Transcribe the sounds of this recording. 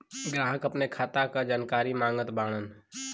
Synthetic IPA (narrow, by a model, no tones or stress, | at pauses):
ɡɾãːɦəkɐpnekʰaːt̪akad͡ʒaːnkaːɾimãːŋɡət̪baːɽ̃ən